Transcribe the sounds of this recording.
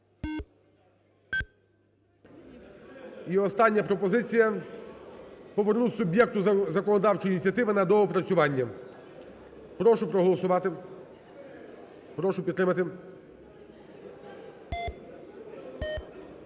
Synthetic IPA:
iɔst̪ɑnʲːɐpɾɔpɔzɪt͡sʲijɐ | pɔʋernusʊbʲjɛk̚t̪ʊzɐkɔnɔd̪ɑwt͡ʃɔjinʲit͡sʲjɐt̪ɪʋɪnɐd̪ɔɦɔpɾɐt͡sʲʊʋɑnʲːɐ | pɾɔʃʊpɾɔɦɔlˠɔsʊʋɑt̪ɪ | pɾɔʃʊpʲt̪ːɾɪmɐt̪ɪ

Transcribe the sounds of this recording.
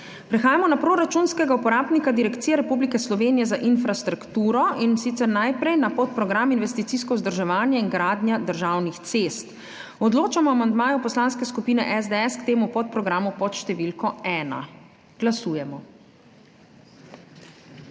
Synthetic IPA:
pɾɛxaːjamɔnapɾoɾat͡ʃunskɛɡaupɔɾaːbnikad̪iɾɛkt̪siːjɛɾɛpublikɛslɔʋeːnijɛzaʔinfɾast̪ɾakt̪uːɾɔinsit̪sɛɾnajpɾɛjnapɔt̪̚pɾɔɡɾaminʋɛst̪it̪siːskɔzd̪əɾʒɛʋaːnjaiŋɡɾaːd̪njad̪əɾʒawnixt̪sest̪ | ɔd̪loːt͡ʃamɔamand̪maːjɔpɔslaːnskɛskupiːnɛ̰ʔɛzd̪ɛɛskt̪eːmupɔt̪̚pɾɔɡɾaːmupɔt̪ʃt̪ɛʋilkɔɛːna̰ | ɡ̥lasuːjɛmɔ

